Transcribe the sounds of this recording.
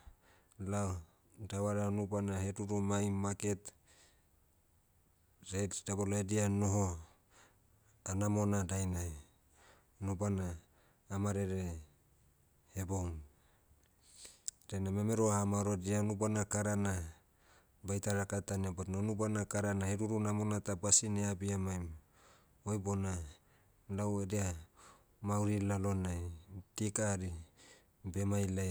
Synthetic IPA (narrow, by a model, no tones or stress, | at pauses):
la | dawaɾanubanaheduɾumajmaket̪ | ɾedabolaedianoɦo | anamonadajna | nubanaː | maɾeɾe | heboŋ | ɾenamemeɾoahamaɾodianubanakaɾana | bajtaɾakataniabatnanubanakaɾanaheɾuɾunamonatabasineabiamajm | ojbona | lawedia | mauɾilalonajtikaɾi | bemajla